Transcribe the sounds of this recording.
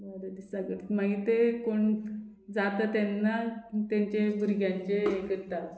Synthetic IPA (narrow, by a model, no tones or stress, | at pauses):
bəɾəd̪isaɡəʈmaɡit̪ekoɳ | d͡zat̪ət̪enːat̪ãɲt͡ɕebʱuɾɡʱjãɲt͡ɕeːkəɾt̪at̪